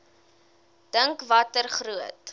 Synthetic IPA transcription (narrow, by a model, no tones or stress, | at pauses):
d̥əŋkvɐtərχruət